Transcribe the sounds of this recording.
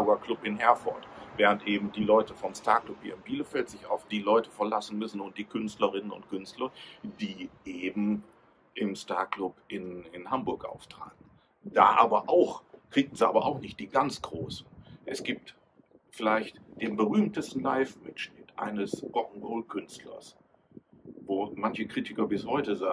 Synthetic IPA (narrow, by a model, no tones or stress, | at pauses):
ɡɐklʊpɪnɦɛɐfɔ̰ɐtvɛːʁ̞əntʔeːbm̩diːlɔʏtəfɔmstaɐklʊphiːɪnbiːləfɛltz̥ɪça̰ʊfd̥iːlɔʏtəfɛɐlasn̩mʏsn̩ʊnt̚d̥iːkʰʏnstləʁɪnənʊ̰ntkʰʏnstlɐd̥iːʔeːbm̩ | ʔɪmsta̰ːɐklʊpʔɪnɪnhambʊɐkʔa̰ʊftʁ̥a̰ːt̚n̩ | d̥a̰ːʔaːbɐʔaʊxkʁ̥iːɡn̩ziʔa̰ːbɐʔa̰ʊxnɪçt̚d̥iːɡant͡sɡ̥ʁoːsn̩ʔɛsɡ̥iːp̚t | fɪlaɪçtd̥eːmbəʁyːmtəstn̩laɪfmɪtʃnɪtʔa̰ɪnəsʔɔŋ̩ɡoːlkʰʏnstlɐ̰s | voːmançəkʁ̥iːtɪkɐbɪshɔʏtəzaː